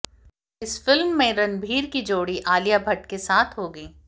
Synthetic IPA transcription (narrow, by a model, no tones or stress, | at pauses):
ɪsfɪlmːẽɾɐnbʱiːɾkid͡ʒoːɽiʔaːlijabʱɐʈkesaːt̪ʰɦoːɡəiː